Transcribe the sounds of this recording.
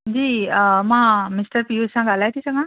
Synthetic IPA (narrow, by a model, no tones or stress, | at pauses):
d͡zimãmisʈəɾpijusʰãɡʱalajt̪ʰisʌ̃ŋɡʌ̃